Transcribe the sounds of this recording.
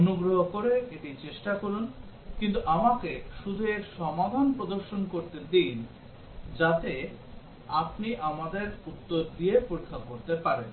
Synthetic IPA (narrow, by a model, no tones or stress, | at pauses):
onuɡɾoɦokoɾeeʈit͡ɕeʃʈakɔɾun | kint̪uʔamakeʃud̪ʱueʃɔmad̪ʱanpɾod̪oɾʃonkoɾt̪ed̪in | d͡ʑat̪e | apniʔamad̪eɾut̪ːoɾd̪iepoɾikʰːakoɾt̪epaɾen